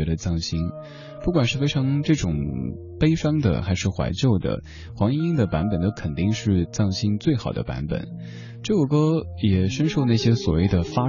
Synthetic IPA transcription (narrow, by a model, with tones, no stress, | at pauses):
ɛ˧˥ɾə˧t͡sɑ˥˩ŋɕi˥n | pu˥˩kwa˨˩nʂɻ̩˥˩fe˥ɪʈ͡ʂʰɑ˧˥ŋʈ͡ʂɤ˥˩ʈ͡ʂʊ˨˩ŋ | pe˥ɪʂɑ˥ŋd̪ə̰˨xa˧˥ɪʂɻ̩˥˩xwa̰˧˥ɪt͡ɕjo˥˩ʊd̪ə̰˩ | xwɑ˧˥ŋi˥i˥ŋd̪ə˨pa˧˥npə˨˩nt̪ə˥ʊkʰə˨˩nt̪i˥˧ŋʂɻ̩˥˧t͡sɑ˥˩ŋɕi˥nt͡swe˥˩ɪxɑ˨˩ʊd̪ə̰˦pa̰˧˥npə̰˨˩˦n | ʈ͡ʂko˥˩kɤ˥jɛ˨˩ʂə˥nʂo˥˧ʊna˥˩ɕjɛ˥swɔ˨˩we˥˩ɪd̪ə˩fa˥